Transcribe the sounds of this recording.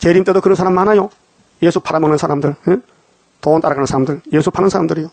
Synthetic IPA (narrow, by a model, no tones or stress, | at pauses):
t͡ɕeɾimt͈e̞dokɯɾʌnsʰaɾammanajo | jesʰupʰaɾamʌnɯnsʰaɾamdɯɭe | toont͈aɾaɡanɯnsʰaɾamdɯɭjesʰupʰanɯnsʰaɾamndɯɾijo